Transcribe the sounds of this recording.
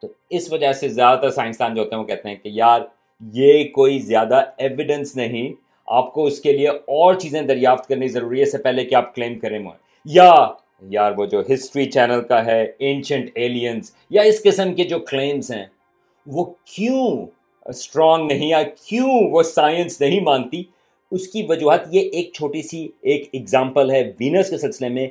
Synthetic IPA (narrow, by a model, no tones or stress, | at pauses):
t̪oː | ɪsʋɐd͡ʒasezjaːd̪at̪ɐɾsaːɪnst̪aːnd͡ʒoɦoːt̪eɦɛ̃ʋokɛɦt̪eɦɛ̃kejaːɾ | jekoːizjaːd̪aeːʋɪɖə̃nsnɐɦĩ | a̰ːpkoʊskelieɔːɾt͡ʃiːzẽd̪ɐɾjaːft̪kɐɾnikizɐɾuːɾiɛsepɛːɦlekiaːp̚klẽːmkɐɾẽmõ̰ | ja | jaːɾʋod͡ʒoːɦɪsʈɾit͡ʃɛːnəlkaɦɛẽːnʃə̃ɳʈeːliə̃ns | jaɪskɪsəmked͡ʒoːkleːmzɦɛ̰̃ː | ʋoːkjũː | sʈɾɔːŋɡnɐɦĩjaːɾkjũʋosaːjə̃nsnɐɦĩmãːnt̪i | ʊskiʋɐd͡ʒuːɦət̪jeʔeːk̚t͡ʃʰoːʈisieːkɪɡzãːmpəlɦɛʋiːnəskesɪlsɪlemẽ